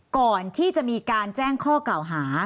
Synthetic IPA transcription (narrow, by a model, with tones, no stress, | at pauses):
kɔː˨˩nt̪ʰiː˥˩t͡ɕa˨˩ʔmiː˧kaː˧nt͡ɕɛː˥˩ŋkʰɔː˥˩kla˨˩wɦaː˩˦